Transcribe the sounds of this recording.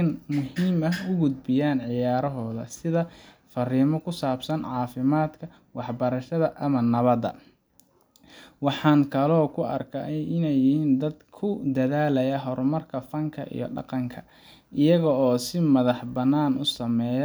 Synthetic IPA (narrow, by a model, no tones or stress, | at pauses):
ɐnmʊɦiːmɐʊɡʊd̪bɪjaːnʕɪjaːɾɔɦɔːðɐ̰sɪðɐfɐriːmɔkʰʊsaːbsɐnʕɑːfɪmaːd̪kʰɐ | wɑħbɐɾɐʃɐðɐʔɐmɐnɐβɐd̪ɐ̰ | wɑħɑːŋkʰɐlɔːkʰʊɐrkʰɐɪnɛjːɪhiːnd̪ɐd̪kʰʊd̪ɐðaːlɐjɐɦɔɾmɐrkʰɐfɐŋkʰɐ̰ʔḭjɔ̰ɖɑ̰qɑŋkʰɐ | ʔɪjɐɣɔɔːsɪmɐðɑħbɐnːaːnʊsɐmɛːj